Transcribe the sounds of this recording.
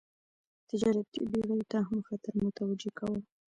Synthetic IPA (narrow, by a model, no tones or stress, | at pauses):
t̪ɪd͡ʒɑɾat̪ḭbeɣajt̪aɦamxat̪aɾmʊt̪awad͡ʒekʰawə